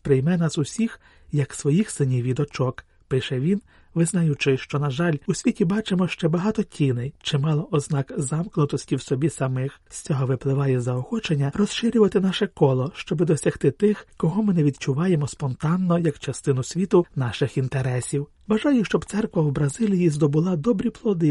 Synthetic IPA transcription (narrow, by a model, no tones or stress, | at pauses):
pɾɪjmɛnɑsʊsʲix | jɐksʋɔjixsɪnʲiwʋʲid̪ɔt͡ʃɔk | pɪʃɛʋʲin | ʋɪznɐjʊt͡ʃɪʃt͡ʃɔnɐʒɑlʲusʲʋʲitʲibɑt͡ʃemɔʃt͡ʃɛbɐɦɑt̪ɔtʲinɪjt͡ʃɪmɑlˠɔʔɔznɑkzɑmknʊt̪ɔsʲtʲiwsɔbʲisɐmɪxsʲt͡sʲɔɦɔʋɪplˠɪʋɑjɛzɐɔxɔt͡ʃenʲːɐrɔsʃɪɾʲʊʋɐt̪ɪnɑʃɛkɔlˠɔʃt͡ʃɔbɪd̪ɔsʲɐxt̪ɪt̪ɪxkɔɦɔmɪnɛʋʲid̪t͡ʃʊʋɑjemɔspɔnt̪ɑnːɔjɐkt͡ʃɐst̪ɪnʊsʲʋʲit̪ʊnɑʃɪxint̪eɾɛsʲiw | ʋɐʒɑjʊʃt͡ʃɔbt̪sɛrkʋɐwbɾɐzɪlʲijizd̪ɔbʊlˠɑd̪ɔbɾʲiplˠɔd̪ɪ